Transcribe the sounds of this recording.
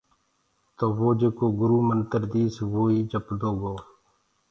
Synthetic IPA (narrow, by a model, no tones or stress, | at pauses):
t̪oːʋoːd͡ʒeːkoːɡʊɾuːmənt̪əɾd̪iːsʋoːiːd͡ʒəpd̪oːɡoː